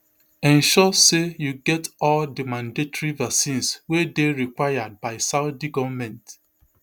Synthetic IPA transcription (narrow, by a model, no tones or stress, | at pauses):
ɛ̃nʃɔsejuɡɛtɔldimãndetɔɹivasĩnswedeɹikwajad̚baɪsaʊdiɡɔvmɛ̃nt